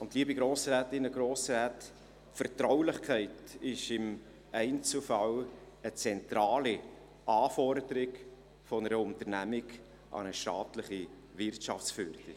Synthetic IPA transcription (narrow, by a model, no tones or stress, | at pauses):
ʊntliːəbiɡɾoːsɾɛːtɪnəɡɾoːsɾɛːt | fəɾtɾawlɪχkʰɛɪtɪʃɪm | ɛɪnt͡səfɑw | ət͡sɛntɾɑːli | ʔɑːfɔɾd̪əɾɪk | fɔnəɾəʊntənæmɪɡ | ʔɑ̰nəʃtɑːtləχi | vɪrtʃɑ̰ft͡sfyɾd̥ɪ